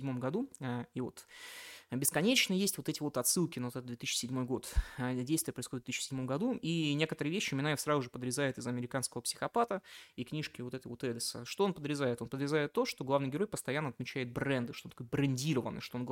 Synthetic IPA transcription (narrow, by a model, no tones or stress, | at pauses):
dʲmo̞mɡɐd̪uaivo̞̰t̪ | bʲɪskɐnʲet͡ɕnəjesʲtʲvo̞t̪ɛtʲɪvo̞t̪ɐt̪sɨlˠkʲɪnɐvoɛt̪əd̪vʲet̪iɕːɪ̥sʲɪdʲmo̞jɡo̞t̪dʲejst̪vʲɪjəpɾəɪsxod̪vʲt̪iɕːɪ̥sʲɪdʲmo̞mɡɐd̪uinʲe̞kət̪əɾɨəvʲeɕːɪmɪnaɪfsɾazʊʐɨpəd̪ɾʲɪzajɪt̪ɨzɐmʲɪɾʲɪkanskəvəpsʲɪ̥xɐpat̪əiknʲiʂkʲɪvo̞t̪ɛt̪əjvo̞t̪ɛd̪ʲɪsə̰ʂt̪oonpəd̪ɾʲɪzajɪt̪o̞npəd̪ɾʲɪzajɪt̪ːo̞ʂt̪o̞ɡlavnɨjɡʲɪɾo̞jpəst̪ɐjanːəɐt̪mʲɪt͡ɕæɪt̪̚bɾɛnd̪ɨʂt̪onɐkojbɾɐnʲdʲiɾəvə̰nːɨjʂt̪oon